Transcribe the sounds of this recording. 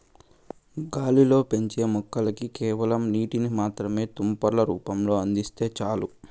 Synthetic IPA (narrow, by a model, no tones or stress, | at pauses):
ɡaːlilo̞ːpe̞ɲt͡ʃe̞ːmɔkːɐlɐkikɛːʋɐlɐmniːʈinimaːt̪ɾɐme̞ːt̪umpɐɾlɐɾuːpɐmlo̞ːɐnd̪ist̪e̞ːt͡ʃaːlu